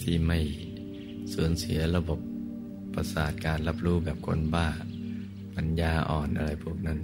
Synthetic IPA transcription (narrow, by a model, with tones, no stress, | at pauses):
t̪ʰiː˧˥˩ma˥˩j | suː˨˩˦nsi˩˦ɐɾa˧bo˨˩p̚ː | a˧saː˨˩t̪̚kaː˧nla˦˥p̚ɾuː˦˥˩bɛː˨˩p̚kʰo̰˧nbaː˥˩ | pa˧njaː˧ʔɔː˨˩nʔa̰˧ɾa˧jpʰuː˥˩ək̚na˦˥˩n